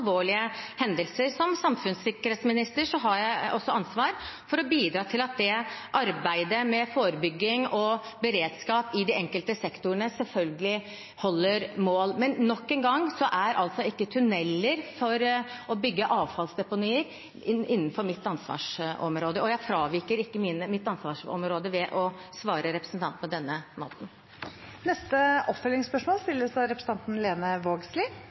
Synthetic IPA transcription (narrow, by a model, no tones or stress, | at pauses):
lʋoːɭɪəhɛnd̪əlsəɾsɔmsɑmfʉnsɪkːəɾheːt̪smɪnɪst̪əʂɔɦɑɾjæɪʔɔsːɔʔɑnsʋɑːɾfɔɾɔbiːd̪ɾɑːt̪ʰɪlɑt̪̚d̪ɛʔɑɾbæɪd̪əmɛfoːɾəbʏɡːɪŋɔbəɾeːd̪skɑːpɪd̪iɛŋkəlt̪əsɛkt̪ʊəɳəsɛlfœlɡəlɪ | hɔlːəɾmoːlmɛnnɔkːɛnɡɑŋːsɔʔæɾʔɑlt̪sɔɪkːət̪ʰʉnɛlːəɾfɔɾɔbʏɡːəʔɑːʋfɑlsd̪ɛpʊnyːəɾ | ɪnːən̩fɔɾmɪt̪ːɑnsʋɑ̰ːʂɔ̰mɾoːd̪əɔjæɪfɾɑːʋiːkəɾɪkːəminəmɪt̪ːɑnsʋɑːʂɔ̰mɾoːd̪əʋɛʔɔsʋɑːɾəɾɛpɾəsn̩t̪ʰɑnt̪pʰɔd̪ɛnːəmo̰ːt̪n̩ | nɛst̪əʔɔpfœlɪŋspœʂmoːlst̪ɪlːəsɑɾɛpɾs̩ʰɑnt̪n̩leːnəʋoːɡslɪ